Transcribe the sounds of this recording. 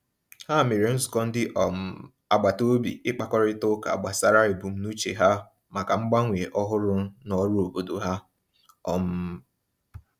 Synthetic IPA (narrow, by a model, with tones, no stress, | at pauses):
ha˦˨me˨ɾe˨n̩˦zʊ˨kɔ˦n̩˦dɪ˦ʔɔ˨m˨ | a˨ɡ͡ba˨to˦bḭ˨ɪ˦k͡pa˦kɔ˦ɾɪ˦tʊ˦ka̰˨a˨ɡ͡ba˨sa˦ɾa˦ɪ˨bu˨m̩˦nu˦t͡ʃe˨ɦa˦ | ma˨ka˨ŋ͡m̩˦ɡ͡ba˦ŋʷ˨e˨ʔɔ˦ɦʊ˦ɾʊ˦nɔ˦ɾʊ˦o˨bo˨do˨ɦa˦ | ɔ̰˦m̩˦